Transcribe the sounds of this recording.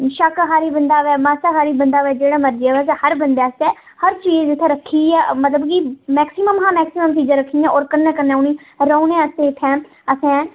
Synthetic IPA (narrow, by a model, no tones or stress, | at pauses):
ʃəkɦaːɾiːbənd̪aːʋɛːmaːsakaːɾiːbənd̪aːʋɛːd͡ʒeːɽaːməɾd͡ʒiaːʋɛːshəɾbənd̪eːsɛː | həɾt͡ʃiːzɪt̪ʰːẽːɾəkʰːiːɛːmət̪ləbkiːmɛːksɪməmɦãːmɛːksɪməmt̪iːd͡ʒãːɾəkʰːiːãːɔːɾkənːɛːkənːɛ̃ːʊniː | ɾəːunẽːəsẽːt̪ʰːɛ̃ː | əsɛ̃ː